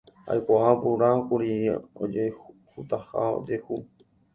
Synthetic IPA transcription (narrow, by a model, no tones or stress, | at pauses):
a̰jkaapuɾakuɾio̰d͡ʒe | hut̪aha̰o̰d͡ʒehu